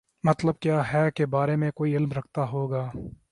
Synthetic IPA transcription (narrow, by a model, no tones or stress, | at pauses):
mɐt̪ləb̚kjaːɦɛːkebaːɾemẽkoːiɪlmɾɐkʰt̪aɦoːɡaː